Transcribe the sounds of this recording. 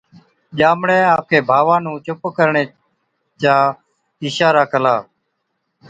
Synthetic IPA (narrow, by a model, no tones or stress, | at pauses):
ʄaːmɽẽːaːp̚kʰeːbʱaːʋãːnũːt͡ʃʊpkəɾɳeː | t͡ʃaː | iːʃaːɾaːkʰəlaː